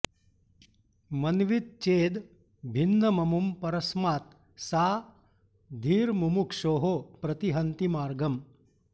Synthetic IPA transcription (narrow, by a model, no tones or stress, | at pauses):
mɐnʋit̪̚t͡ʃeːd̪ | bʱind̪ɐmɐmumpɐɾɐsmaːt̪ | saː | d̪ʱiːɾmumukʂoːɦopɾɐt̪iɦɐnt̪imaːɾɡɐm